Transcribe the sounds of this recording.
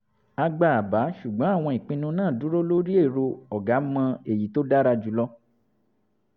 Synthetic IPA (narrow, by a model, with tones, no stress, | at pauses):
a˧ɡ͡ba˧a˨ba˨˦ʃu˨ɡ͡bɔ̃˨˦a˦˨w̃ɔ̃˧i˨k͡pĩ˧nũ˧nãː˦˨du˨˦ɾo˦lo˦ɾi˦e˦˨ɾo˧ɔ˨ɡa˨˦mã˧e˦˨ji˨˦to˦da˦ɾa˧d͡ʒu˨˧˦lɔ˦